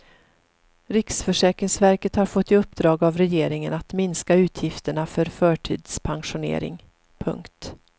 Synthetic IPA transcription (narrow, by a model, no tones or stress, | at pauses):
ɾɪksfœʂɛːkɾɪŋsvæɾkət̪haɾfɔt̪ːɪɵpːd̪ɾɑːɡavɾɛjeːɾɪŋənat̪mɪnskaʉ̟ːt̪ʰjɪft̪əɳafœɾfœːʈʰḭːd̪spʰaŋɧʊnḛːɾɪ̰ŋ | pʰɵ̰ŋkt̪